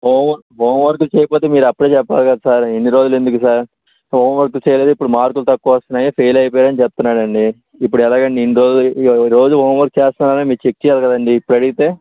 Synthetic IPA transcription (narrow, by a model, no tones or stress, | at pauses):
hoːnʋɐɾɦoːnʋɐɾkulut͡ʃɛːjɐpo̞ːt̪eːmiːɾɐpːɐɽe̞ːt͡ʃɛpːa̰ːlikɐd̪ɐsaːɾinːiɾo̞ːd͡ʒulend̪ukusaːɾ | hoːnʋɐɾk̬lut͡ʃɛjɐle̞ːd̪uipːuɽumaːɾkulɐt̪ɐkːuʋɐst̪unaːjeːpʰeːjlɐjpɔːjaɾɐnit͡ʃɛp̚t̪unːaːɽɐɳɖiː | p̬ːuɽɛlaːɡɐɳɖiiniɾo̞ːd͡ʒuɾo̞ːd͡ʒuɦoːnʋɐɾkt͡ʃɛːst̪anːaːnemiːɾt͡ʃek̚t͡ʃɛjaːlkɐd̪ɐɳɖiːpːuɽɐɽiɡit̪e̞ː